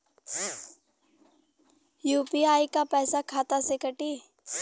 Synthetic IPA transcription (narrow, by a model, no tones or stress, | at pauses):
juːpiaːikapɛːsakʰaːt̪asekɐʈiː